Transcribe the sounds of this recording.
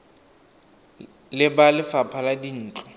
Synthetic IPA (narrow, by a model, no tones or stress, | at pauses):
lɪbalɪfapʰaladin̩ːt͡ɬʼɔ